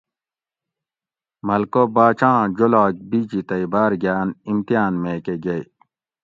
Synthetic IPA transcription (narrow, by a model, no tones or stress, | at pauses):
mɐlkobaːt͡ɕãːd͡ʑolaːk̚bid͡ʑit̪ɐibaːɾɡjaːnimt̪ijaːnmekeɡej